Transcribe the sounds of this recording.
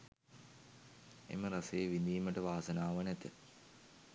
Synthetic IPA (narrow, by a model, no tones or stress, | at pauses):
ḛmɐɾɐseːʋind̪iːmɐʈːɐʋaːsɐnaːʋɐnɐt̪ːɐ̰